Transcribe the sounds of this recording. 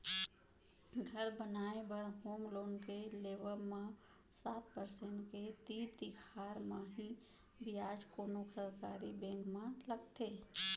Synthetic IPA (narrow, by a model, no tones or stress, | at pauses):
ɡʱəɾbənaːebəɾɦoːmloːnkeleːʋəɾmã | saːt̪̚pəɾsẽɳʈket̪iːt̪ikʰaːɾmãɦi | bɪjaːd͡ʒkoːnokʰəɾkaːɾibɛ̃ːŋkmãləɡt̪eː